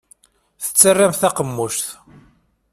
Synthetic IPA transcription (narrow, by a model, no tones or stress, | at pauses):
θə̥t͡sːərːamθæqəmːuʃθ